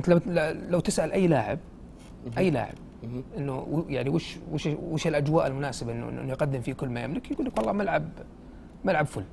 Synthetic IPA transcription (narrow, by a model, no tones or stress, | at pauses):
mɪt̪llawt̪ɪsʔalʔajːlaːʕɪ̰b̚ | ʔajːla̰ːʕɪ̰b̚ʔɪnːujaʕniwɪːʃwɪʃwɪːʃɪlʔad͡ʒwaːʔɪlmʊnaːsɪbaʔɪnːṵʔɪ̰ʔɪ̰nːujqad̪ːɪmfiːkʊlːmajɪmlɪkjɡuːlːakwɑlːɑːmalʕab | malʕabfʊlː